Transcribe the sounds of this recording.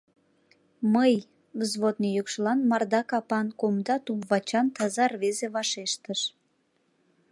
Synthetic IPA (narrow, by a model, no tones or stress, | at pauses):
məj | ləzβot̪nejukʃəlɑnmɑrd̪ɑkɑpɑnkomd̪ɑt̪umvɑt͡ɕɑnt̪ɑzɑrβezeβɑʃeʃt̪əʃ